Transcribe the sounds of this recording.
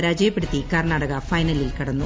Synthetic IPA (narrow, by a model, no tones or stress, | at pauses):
ɾaːd͡ʑɐjɐpːeɽut̪ːikɐrɳaːɽɐɣɐfɐjnɐlilkɐɽɐnːu